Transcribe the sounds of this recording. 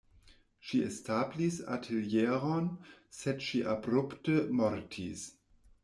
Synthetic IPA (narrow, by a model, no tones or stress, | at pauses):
ʃiestablisa̰tʰiljeɾonsedʃiʔabɾuptəmoɾtʰis